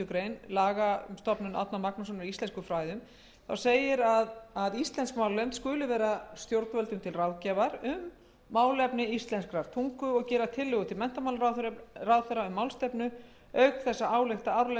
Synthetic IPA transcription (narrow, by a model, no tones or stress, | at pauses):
ʏkɾejnlaːɣamst̪ɔpnʏna̰t̪namaknas̬ɔnvɪist̪ɛnskʏfɾaːjðʏm | θawseːjɪɾaðaðist̪lɛnskmaːwlemt̪skʏːlɪvɛːɾast̪jowɾt̪vœlt̪ʏmt̪ʰɪlrawðcɛvaɾʏmː | aːwlɛpnɪist̪lɛnskɾaɾt̪ʰuŋkʏɔɣcɛːɾat̪ʰɪlːʏɣʏt̪ʰɪlmɛn̥t̪amawlɾarawðθɛɾaʏmːaːwlst̪ɛpnʏ | œɥkθɛsːaaːwlɛxt̪aawɾlɛ